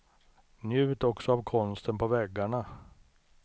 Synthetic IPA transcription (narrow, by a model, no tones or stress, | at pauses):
njʉ̟ːt̪ɔksɔavkʰɔnst̪ənpʰɔvɛɡːaɳa